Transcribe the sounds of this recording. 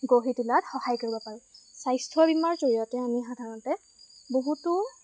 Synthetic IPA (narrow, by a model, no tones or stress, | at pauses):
ɡoɦitilatxɔhajkoɹibɔpaɹɛsajstʰɹɔbimaɹzoɹijɔtɛamixadʱaɹɔntɛ | boɦutʊ